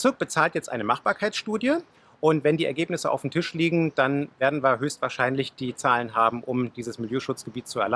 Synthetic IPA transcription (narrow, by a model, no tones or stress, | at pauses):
t͡sɪɐk̚b̥ət͡saːltjɛt͡stʔa̰ɪnəmaχb̥aːɐkʰaɪt͡ssʃtuːdjə | ʔʊntv̥ɛndiːɛɐɡeːpnɪsəʔa̰ʊfm̩tʰɪʃliːɡŋ̩d̥anveːɐdn̩viːɐɦøːstv̥aːɐʃaɪnlɪçd̥iːt͡saːlənɦaːbm̩ʔʊmd̥iːzəsmɪljøːʃʊt͡sɡ̥əbiːt̚t͡suɛɐla